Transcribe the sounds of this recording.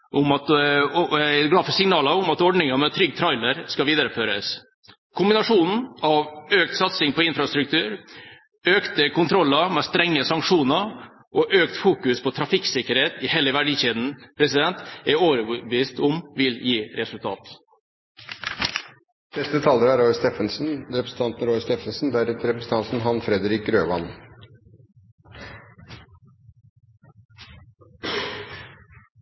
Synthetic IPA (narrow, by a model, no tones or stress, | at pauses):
ʔʊmɑt̪ | ɡlɑːfɔsɪŋnɑːləʊmɑt̪ɔɖɳɪŋəmɛt̪ʰɾʏɡːt̪ʰɾɑɪləɾskɑʋiːd̪əɾəføːɾəs | kʰʊmbɪnɑʂuːnn̩ɑʋøːk̚t̪sɑt̪sɪŋpʰɔɪnfɾɑst̪ɾʉkt̪ʰʉːɾ | øːkt̪əkʰʊnt̪ʰɾɔlːəmɛst̪ɾɛŋːəsɑŋkʂuːnəɾ | ʔɔʔøːkt̪fuːkʉspʰɔt̪ʰɾɑfɪksɪkəɾeːt̪ɪheːləʋæɖiːçeːd̪n̩pʰɾɛsɪd̪ɛnt̪ɛoːʋɾəbbəiːst̪ʊmʋɪljiːɾɛsʉlt̪ʰɑ̰ːt̪ | nɛst̪ət̪ʰɑləɾæɾɔʏst̪eːfənsn̩ɾɛpɾəsn̩t̪ɑnt̪nɾɔʏst̪eːfənsn̩d̪æɾɛɾɛpɾəsn̩t̪ɑnt̪n̩ɦɑnfɾɛd̪əɾɪk̚ɡɾøːʋɑn